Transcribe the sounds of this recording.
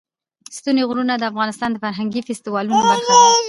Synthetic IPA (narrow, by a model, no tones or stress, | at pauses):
st̪uneɣɾunad̪əafɣɑnɪst̪ɑnd̪əfaɾɦaŋɡifɪst̪iwɑlunobaxai